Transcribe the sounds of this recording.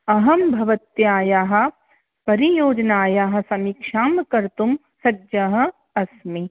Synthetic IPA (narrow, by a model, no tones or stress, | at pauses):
ɐɦɐmbʱɐʋɐt̪jaːjaːɦɐ̆ | pɐɾijoːd͡ʒnaːjaːɦɐ̆sɐmikʃaːmkɐɾt̪um | sɐdd͡ʒɐɦɐ̆ | ɐsmi